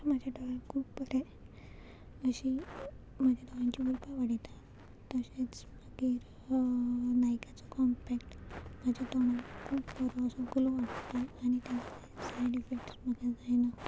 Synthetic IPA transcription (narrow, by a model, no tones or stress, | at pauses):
mad͡ʑʱjaɖəʋaɾkʰuːbpəɾe | əɕi | mad͡ʑjad̪ɔʋãɲt͡ɕiulpaʋaɽit̪a | t̪əɕet͡sməɡiɾ | najkat͡sɔkɔmpɛkʈmad͡ʑʱjat̪onakʰuːbpəɾɔəsɔɡuloʋaʈt̪aañit̪at͡sesaɽifekʈsməɡad͡zajna